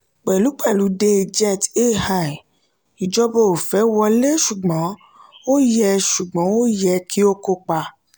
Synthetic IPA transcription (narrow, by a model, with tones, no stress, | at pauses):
k͡pɛ˨lu˨˦k͡pɛ˦˨lu˨˦de˧d͡ʒɛ˦˨te˦ha˦˨i˨ | i˨d͡ʒɔ˧bɔ˧˨o˨fɛ˨˦wɔ˧le˦ʃu˨ɡ͡bɔ̃˨˦ | o˦jɛ˧ʃu˨ɡ͡bɔ̃˨˦o˦jɛ˧kʰi˦o˦ko˧k͡pa˧